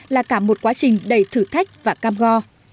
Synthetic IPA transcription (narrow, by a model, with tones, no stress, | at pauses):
laː˨˩kaː˧˩mo˨˩t̚kwaː˨˦t͡ɕï˨˩ŋ̟ɗə˨˩jt̪ʰɨ˧˩t̪ʰa˦˥jk̟̚vaː˨˩kaː˧mɣɔ˧